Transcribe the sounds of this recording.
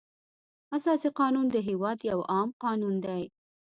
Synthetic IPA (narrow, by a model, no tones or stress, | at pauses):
asɑsiqɑnund̪əɦewɑd̪jawɑmqɑnund̪aj